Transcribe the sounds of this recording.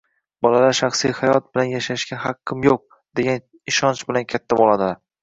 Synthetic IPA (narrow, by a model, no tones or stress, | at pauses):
bɒlalaʃaχsijhajɒt̪̚bɪlanjaʃaʃɡʲaɦaqʰːɪmjoq̚ | d̪e̞ɡʲan | ɪʃɒnt͡ʃbɪlankʲʰat̪ʰːabolˠad̪ɪ